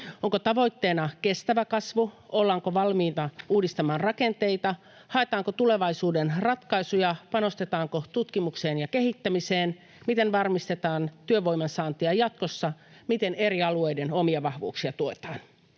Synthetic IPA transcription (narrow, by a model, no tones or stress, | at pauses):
oŋkot̪ɑʋo̞jt̪ːeːnɑke̞st̪æʋækɑsʋuolːɑŋkoʋɑlmiːt̪ɑuːdist̪ɑmɑːnrɑke̞nt̪e̞jt̪ɑ | hɑet̪ɑːŋkot̪ule̞ʋɑjsuːdenrɑt̪kɑjsujɑpɑno̞st̪e̞t̪ɑːŋkot̪ut̪kimukse̞ːnjɑke̞ɦit̪ːæmiseːn | mit̪e̞nʋɑrmist̪e̞t̪ɑːnt̪yøʋo̞jmɑnsɑːnt̪iɑjɑt̪ko̞sːɑmit̪e̞ne̞ɾiɑluejde̞no̞miɑʋɑhʋṵːksiɑt̪uot̪ɑːn